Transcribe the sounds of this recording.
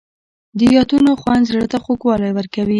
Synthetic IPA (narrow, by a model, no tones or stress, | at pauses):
d̪əjɑt̪unoxwand̪zɽt̪axokwɑlajwəɾkawi